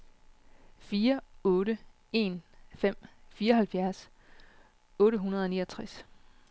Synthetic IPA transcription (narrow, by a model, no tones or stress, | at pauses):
fiːɐɔ̽ːɾə | e̝̰nfem̰fiːɐɒɦælfjæɐs | ɔ̽ːɾəɦunɐð̞ˠɒ̽nḭːʌt͡sʰʁas